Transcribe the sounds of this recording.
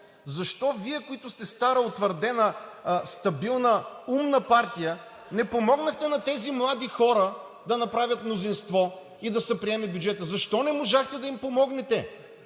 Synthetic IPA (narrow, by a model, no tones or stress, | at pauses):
zɐʃt̪ɔviɛkoit̪ʊst̪ɛst̪aɾəot̪vəɾd̪ɛnəst̪ɐbilˠnəumnəpaɾt̪ijə | nɛpomɔɡnəxt̪ɛnɐt̪ɛzimlˠad̪ixɔɾə | d̪ɐnɐpɾavʲjɐt̪mnozinst̪vɔ | id̪ɐsɛpɾiɛmɛbʲjud͡ʒɛt̪əzɐʃt̪ɔnɛmoʒaxt̪ɛd̪ɐimpomɔɡnɛt̪ɛ